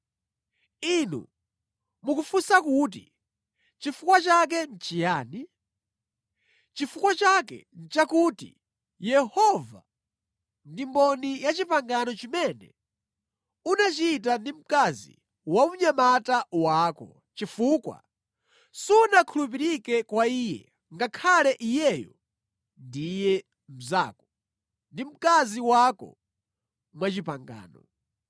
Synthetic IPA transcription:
inṵ | mukufusakut̬i | t͡ʃifukwat͡ʃak̬ɛn̩t͡ʃijaːni | t͡ʃifukwat͡ʃakɛ̰n̩t͡ʃakutḭ | jɛhɔva̰ | ndimbɔnijat͡ʃipaŋɡanɔt͡ʃimɛnɛ̰ | unat͡ʃiːtandim̩kazḭ | wamuɲamatawakɔ | t͡ʃifukwa̰ | siunakʰulup̬iɾikɛkwaiːjɛ̰ | ŋɡakʰalɛʔijɛjɔ̰ | ndijɛ | m̩zaːkɔ | ndim̩kaziwakɔ̰ | mwat͡ʃipaŋɡa̰ːnɔ̰

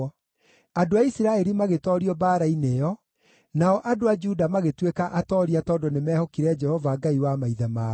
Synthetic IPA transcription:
adoaisiɾaɛɾimaɣetɔɾiɔbaːɾainejɔ | naɔʔadoad͡ʒudamaɣetwekaʔatɔːɾiatɔːndɔnemɛːhɔkiɾɛd͡ʒɛhɔvaːɡaiwamaiðama

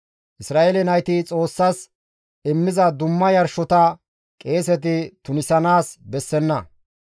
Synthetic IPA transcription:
ʔɪsɾaːʔelɛnɐjt̪ɪt͡sʼo̞ːsːɐs | ɪmːɪzɐd̪ʊmːɐjɐɾʃɔt̪ɐ | kʼe̞ːsɛt̪̬ɪt̪ʊnɪsɐnaːsbɛsːɛnːɐ

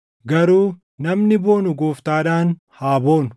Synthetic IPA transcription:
ɡɐɾuː | nɐmnɪbo̞ːnʊɡoːft̪aːᶑaːn | haːbo̞ːn

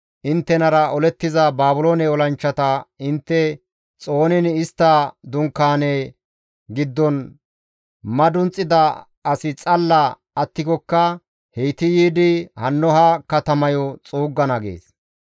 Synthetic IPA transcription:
ʔɪnt̪ːɛnɐɾɐɔlɛt̪ːɪzɐbaːbʊloːnɛɔlɐnt͡ʃːɐt̪ɐɪnt̪ːɛ | t͡sʼo̞ːnɪnɪst̪ːɐd̪ʊŋkːaːne | ɡɪd̪ːɔn | mɐd̪ʊnt͡sʼːɪd̪ɐ | ɐsɪt͡sʼɐlːɐ | ɐt̪ːɪkɔkːɐ | hɛjt̪ɪjiːd̪ɪhɐnːɔɦɐkɐt̪ɐmɐjɔt͡sʼuːɡːɐnɐɡḛːs

